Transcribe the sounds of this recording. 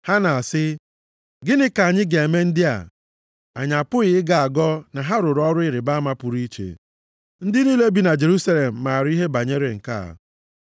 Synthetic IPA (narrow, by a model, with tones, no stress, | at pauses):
ha˦na˨a˨sɪ˦ | ɡɪ˦nɪ˦ka˨ɲɪ˦ɡe˨e˨me˦n̩˦dɪ˦a̰˨ | a˨ɲa˨pʊ˦ɣɪ˨ɪ˦ɡa˨a˨ɡɔ˦na˨ɦa˦ɾʊ˨ɾɔ˦ɾʊ˦ɪ˨ɾɪ˨ba˦ma˦pʊ˨ɾi˦t͡ʃḛ˨ | n̩˦dɪ˦niː˦le˦bi˨na˨d͡ʒe˨ɾu˦sa˦le˨m̩˨ma˨ɾi˦ɦe˦ba˨ɲe˦ɾe˨ŋ̩˨ka̰˦a̰˨